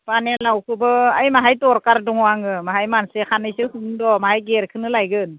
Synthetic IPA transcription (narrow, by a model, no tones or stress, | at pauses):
panelawkʰɯbɯajmaɦajtɔɾkaɾdɔŋɔaŋɯmaɦajmansekʰanɯjsɯhɯŋdɔmaɦajɡeɾkʰɯnɯlajɡɯn